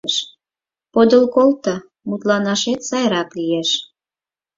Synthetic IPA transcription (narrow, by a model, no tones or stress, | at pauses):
ʃ | pod̪əlkolt̪ə | mut̪lɑnɑʃet̪sɑjɾɑklijeʃ